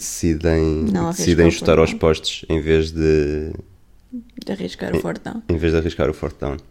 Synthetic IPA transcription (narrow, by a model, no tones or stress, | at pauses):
d̪ɨsiðɐ̃j̃nɐ̃w̃asiðɐ̃j̃ʒut̪aɾawʃpɔʃt̪u̥ʃẽj̃veʒðɨ | d̪ɐʁiʃka̰ɾufɔɾt̪ɐ̰̃w̃ẽj̃veʒdðɐʁiʃka̰ɾufɔ̰ɾt̪ɐ̰̃w̃